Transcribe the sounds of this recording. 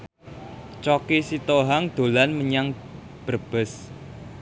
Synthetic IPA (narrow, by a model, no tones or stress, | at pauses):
t͡ʃɔkisit̪oɦaŋd̪̥o̤lanməɲaŋ | b̥ərb̥ə̤s